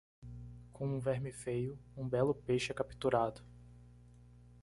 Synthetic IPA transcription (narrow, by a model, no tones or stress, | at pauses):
kʰõũvɛɾmɪfejʊũbɛlʊpeʃɛkapi̥t̪uɾad̪ʊ